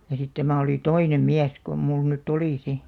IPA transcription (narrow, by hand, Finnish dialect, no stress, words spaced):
jɑ sit tæmæˑ oli toinem miæs kom mul nytː oliˑ si